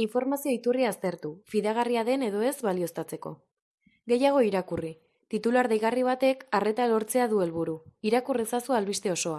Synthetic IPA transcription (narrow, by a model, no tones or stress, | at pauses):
iɱfo̞ɾmasio̞it̪uriaːst̪e̞ɾt̪ufiðaɣ̞ariaðe̞ne̞ðo̞e̞zβalio̞st̪at͡se̞ko̞̰ | ɡe̞jaɣ̞o̞iɾakuri | t̪it̪ulaɾðejɣariβ̞at̪e̞kare̞t̪alo̞ɾt͡se̞aðue̞lβuɾuiɾakuresasualβist̪e̞o̞so̞a